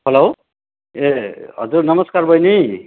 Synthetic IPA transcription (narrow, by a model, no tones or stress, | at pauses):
ɦʌlow | eɦʌ̰d͡zurnʌmʌskarbʱʌjni